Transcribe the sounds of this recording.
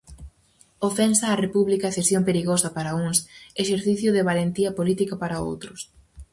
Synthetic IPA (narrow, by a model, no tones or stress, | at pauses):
ofɛnsɐːrepuβlikaθesjompeɾiɣosɐpaɾɐuŋseʃeɾθiθjʊðɪβalent̪iɐpolit̪ikɐpaɾɐo̰wt̪ɾʊs